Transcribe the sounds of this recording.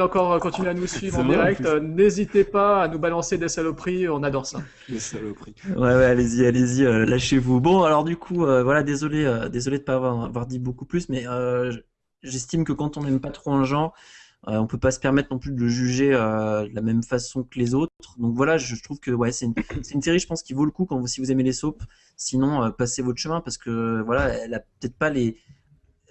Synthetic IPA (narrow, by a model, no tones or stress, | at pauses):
ɑ̃kɔʁkɔ̃t̪inyanusɥivʁɑ̃d̪iʁɛk̚t̪ønezit̪epaːnubalɑ̃sed̪esɛlopχiɔ̃nad̪ɔʁsa | esɛlopχiwɛwɛalezialeziølaʃevubɔ̃alɔʁd̪ykʰuøvwalad̪ezɔleø̰d̪ezɔled̪əpavaavwaʁd̪ibokuplysmɛø | ʒɛst̪imkəkɑ̃t̪ɔ̃nɛmpat̪χoɛ̃ʒɑ̃ʁ | øɔ̃pøpasə̥pɛʁmɛt̪χnɔ̃plyd̪ələʒyʒeød̪əlamɛmfasɔ̃kəlezot̪χd̪ɔ̃kvwalaʒət̪χuvkəwɛsɛnsɛt̪ynseʁiʒəpɑ̃skʲivoləkukɑ̃vsivuzɛmelesop | sinɔ̃øpasevɔt̪χəʃəmɛ̃paʁsə̥kəvwalaɛlapə̥t̪ɛt̪χpale